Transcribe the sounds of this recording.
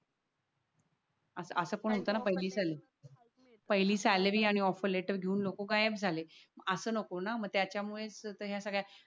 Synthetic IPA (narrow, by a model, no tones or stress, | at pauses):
əsəəsəːpəɳɦot̪ənapəɦjliːsale | pəɦiliːsaleʋiːaɽ̃iɔfəɾleʈəʋɡʱeuːnlokoɡajəbd͡zʱaleməəsəːnəkonaməɡ̚t̪jat͡ɕjamuɭet͡st̪əɦjasəɡɭja